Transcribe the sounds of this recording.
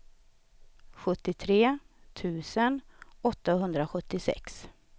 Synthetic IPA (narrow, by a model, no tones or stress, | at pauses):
ɧɵt̪ːɪt̪ʰɾeː | t̪ʰʉ̟ːsənɔt̪ːaɦɵnd̪ɾaɧɵt̪ːɪsɛ̰ks